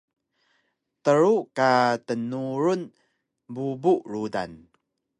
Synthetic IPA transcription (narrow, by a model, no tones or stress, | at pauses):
təɾukatənuɾun | bubuʔɹuda̰n